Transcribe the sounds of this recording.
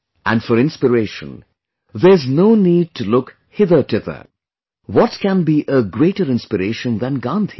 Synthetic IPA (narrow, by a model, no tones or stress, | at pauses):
æ̃nɖfɔɾɪ̃nspəɾeɪʃə̰̃n | ðəznoʊniːd̚tʰulʊk | hɪðətɪðə̰˞ | wɔtkæ̃nbiʔəɡɹeɪʈəɾɪ̃nspəɾeɪʃə̃nðæ̃nɡɑ̃nt̪ʰi̥